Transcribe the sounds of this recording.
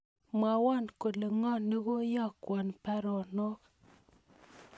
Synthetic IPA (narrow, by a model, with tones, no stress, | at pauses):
mwa˨wɔ˦˨nko˨le˨ŋɔ˦˨ne˦ɣo˦jɔ˦˨kwɔ˨npa˦ɾɔ˨no˦k